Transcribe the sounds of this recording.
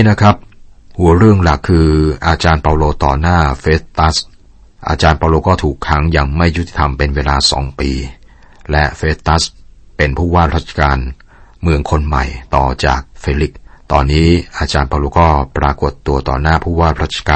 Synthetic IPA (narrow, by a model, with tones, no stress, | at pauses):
na˦˥kʰɾa˦˥p̚ | hu˩˦ɐɾɯ˥˩əŋla˨˩kʰːɯː˧ʔaː˧t͡ɕaː˧npaː˧loː˧t̪ɔ̰ː˨˩naː˥˩feː˦˥t̪̚ːa˦˥s | ʔa̰ː˧t͡ɕaː˧npaː˧loː˧kɔː˥˩t̪ʰuː˨˩kʰːa˦˥ŋja˧ŋma˥˩jt̪ʰːi̥˨˩t̪ʰa˧mpe˧nweː˧laː˧sɔ̰ː˩˦ŋpiː˧ | lɛ˦˥feː˦˥t̪ːa˦˥s | pe˧npʰuː˥˩waː˥˩ɾa˦˥t̪̚t͡ɕʰḁ˧kaː˧n | mɯ˧əŋkʰo˧nma̰˨˩jt̪ɔ̰ː˨˩t͡ɕa̰ː˨˩k̚fe˧li˦˥k̚t̪ɔː˧nːiː˦˥ʔaː˧t͡ɕaː˧npaː˧loː˧kɔː˥˩pɾaː˧ko˨˩t̪ːu˧ɐt̪ɔ̰ː˨˩naː˥˩pʰuː˥˩waː˥˩ɾaː˦˥˩t̪̚t͡ɕʰḁ˧kaː˧